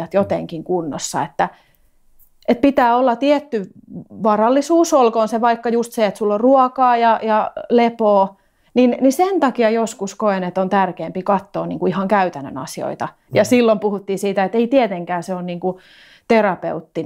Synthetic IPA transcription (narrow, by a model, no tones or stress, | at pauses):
ɑt̪jot̪eŋkiŋkunːo̰sːɑ̰et̪ːæ | et̪̚pit̪æːolːɑt̪iɛt̪ːyʋɑrɑlːisuːsolkoːnseʋɑikːɑjust̪seet̪sulːorruɔkɑːjɑjɑlepoː | ninnisent̪ɑkiɑjoskuskoenet̪ont̪ærkeːmpikɑt̪ːoːniːŋkuihɑŋkæyt̪ænːø̰nɑ̰sio̰it̪ɑ | jɑsilːompuhut̪ːiːsiːt̪æet̪eit̪ieɛt̪eŋkæːseonniːŋku | t̪erɑpḛut̪ːi